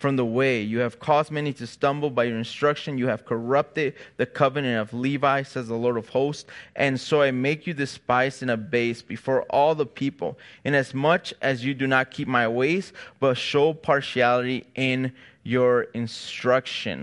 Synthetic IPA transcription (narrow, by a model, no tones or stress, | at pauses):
fɹʌ̃mðəweɪjɨɨv̥kʰɔzd̚mɛniɾɨstʌ̃mbl̩ˠbaɪjə˞ɨ̃nstɹ̥ʌkʃɨ̃njɨɨv̥kʰə˞ʌp̚tɨd̪̚ðɨkʰʌvɨnɨ̃ntʌvlivaɪsɛzðəlɔɹɾʌv̥hoʊstʔɨ̃nsoʊaɪmeɪkʰjɨdɨspaɪsɨ̃nɨbeɪsb̥ɨfɔɹʔɔlˠðəpʰipl̩ˠɨ̃nɨzmʌt͡ʃʔɨzjɨdɨnət̚kʰip̚maɪweɪzb̥ʌtʃoʊpʰɑɹʃiælˠɨɾiʔɪ̃n | jə˞ɨ̃nstɹ̥ʌkʃɨ̰̃n